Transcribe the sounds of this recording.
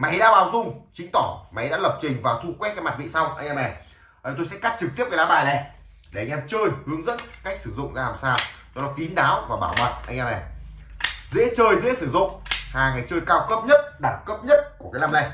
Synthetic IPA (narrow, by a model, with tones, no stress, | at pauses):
maː˨˩ha˨˧˦ɗaː˧˥ɓaː˨˦wzʊ˧ŋ͡mt͡ɕï˨˦ŋ̟t̪ɔ˧˩maː˨˩˨jɗa̰ː˧˥lə˨˩p̚t͡ɕï˨˩ŋ̟vaː˨˩wt̪ʰu˧kwɛ˦˥t̚kaː˨˧˦ma˨˩t̚vḭ˧˨sa˧wŋ͡mʔa˧ŋ̟ʔɛː˧mʔɛ˨˩ | ʔəː˨˩t̪o˧jsɛ̰˧˥ka˦˥t̚t͡ɕɨ˨k̚t̪i˦˥əp̚kːa˨˦laː˧˦ɓaː˨˩jlɛ˨˩ | e˨˩ʔa˧jŋ̟ʔɛ˧mt͡ɕəː˧jhɨ˨˦əŋzə̰˧˥nka˦˥jk̚sɨ˧˩zʊ̰˧˨ŋ͡mzaː˧laː˨˩msaː˧wt͡ɕɔ˧nɔ˨˦t̪i˨˦nɗaː˨˦wvaː˨˩ɓaː˧˩wmə̰˨n̚ʔa̰˧jŋ̟ʔɛː˧mʔɛ˨˩ | zḛ˧˥t͡ɕəː˧jzḛ˧˥sɨ˧˩zʊ̰˧˨ŋ͡mhaː˨˩ŋa˨˩jt͡ɕəː˧jkaː˧wkə˦˥p̚ɲə˦˥t̚ɗaː˧˩ŋkə˦˥p̚ɲə˦˥t̚ku˧˩əkaː˨˦jlaː˧mla˧˩